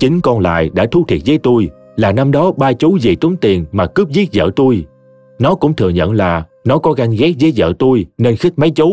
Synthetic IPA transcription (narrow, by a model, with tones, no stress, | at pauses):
t͡ɕï˨˦ŋ̟kɔ˧nla̰ː˧˨jɗa̰ː˧˥t̪ʰu˨˧˦t̪ʰi˨˩ət̚zəː˨˦jt̪u˧j | laː˨˩na˧mɗɔ˨˦ɓaː˧t͡ɕu˨˦zi˨˩t̪u˨˦ŋt̪i˨˩ənmaː˨˩kɨ˦˥p̚zi˦˥ət̚zə̰ː˧˨t̪u˧j | nɔ˨˦kʊ̰˧˥ŋ͡mt̪ʰɨ˨˩əɲə̰˧˨nlaː˨˩nɔ˨˦kɔ˨˦ɣa˧ŋɣɛ˦˥k̚zə˨˦jzə̰ː˧˨t̪u˧jne˧nxï˦˥k̚ma˨˦jt͡ɕu˨˦